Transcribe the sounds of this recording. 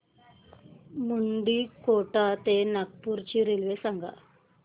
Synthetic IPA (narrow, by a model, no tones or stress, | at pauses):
muɳɖiːkoʈat̪enak̚puɾt͡ɕiɾelʋesaŋɡa̰